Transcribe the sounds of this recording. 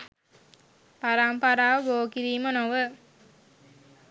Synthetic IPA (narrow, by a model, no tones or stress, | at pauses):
paɾampaɾaːʋəboːkiɾiːmənoʋə